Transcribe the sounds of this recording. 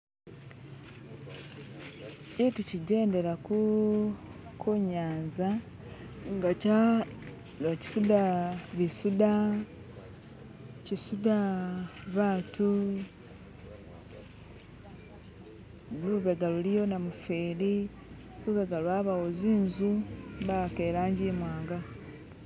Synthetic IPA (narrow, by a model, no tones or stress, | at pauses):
cituciɟe̞ːnde̞ɾaku | kʰuɲaːnza | ŋɡa | ci̥sudaβisuda | cisuda | βaːtʰu | luβeɡalulijo̞namufeːɾi | luβeɡalwaβawoziːnzuβakeɾaːɲɟimwaːŋɡa